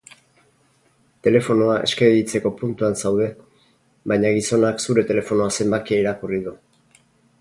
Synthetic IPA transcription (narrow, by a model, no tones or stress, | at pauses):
t̪e̞le̞fo̞noaʔe̞skeβit͡se̞ko̞punt̪uansawð̞e̞ | βajɲaɣ̞iso̞naksuɾe̞t̪e̞le̞fo̞noase̞mbakiaiɾakuriðu